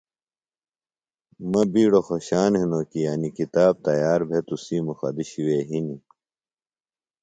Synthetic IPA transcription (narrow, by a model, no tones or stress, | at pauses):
mɐbiːɽoxoɕaːnɦinokijɐnikit̪aːb̚t̪ɐjaːɾbʱet̪usiːmuxɐ̰d̪iɕiweːɦini